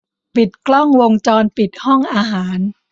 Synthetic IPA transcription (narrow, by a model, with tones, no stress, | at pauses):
pi˨˩t̪̚klɔ˥˩ŋwo˧ŋt͡ɕɔː˧npi˨˩t̪̚hɔ˥˩ŋʔaː˧ɦaː˩˦n